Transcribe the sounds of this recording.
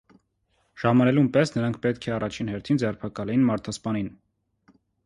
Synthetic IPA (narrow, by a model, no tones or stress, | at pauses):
ʒ̥ɑmɑnɛlumpɛsnəɾɑŋkʰpɛt̪kʰɛɑrɑt͡ʃʰinhɛɾt̪ʰind͡zɛrpʰɑkɑlɛjinmɑɾt̪ʰɑspɑnin